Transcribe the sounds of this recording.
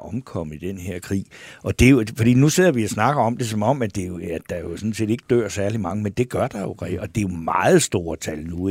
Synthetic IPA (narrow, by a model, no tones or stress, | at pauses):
ɒ̽mkʰɒ̽m̰əid̥enɦeɐ̰kʰʁḭːʔɒ̽d̥e̝jofɒd̥ḭːnuse̝ð̰ˠɐʋiæsnɑ̈ɡ̥ɐɒ̽md̥e̝sɒ̽mɒ̽m̰æd̥e̝oæd̥ɑ̈jo̝sɒ̽nse̝̰ːd̥e̝ɡ̥əd̥øɐ̰sæɐlimɑ̈ŋəmend̥e̝ɡ̥ɶɐd̥ɑ̈jo̝ʁʰɛɒ̽d̥e̝jo̝mɑ̈ːð̩ˠsd̥o̝ːɐt͡sʰælnu